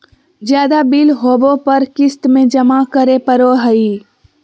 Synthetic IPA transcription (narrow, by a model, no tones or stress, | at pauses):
d͡ʒjaːd̪abilɦoːbõpɐɾkɪst̪mẽd͡ʒɐmakəɾepəɾoɦəi